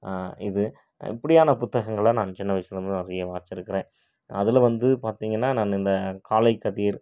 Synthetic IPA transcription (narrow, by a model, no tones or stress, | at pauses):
ɪðɯ | ɪ̰pːɐɽɪjaːnɐpʊt̪ːɐɣɐŋɡɐɭɐnaːnt͡ʃɪnːɐʋɪsɐnɐmːɐɾɐjeʋaːɾt͡ʃːɪɾɯkːɪɾẽː | ɐðɪlʋɐnd̪ɯpaːɾt̪iːŋɡɐnːaːnaːnɪnd̪ɐkaːlɐɪkːɐðiːɾ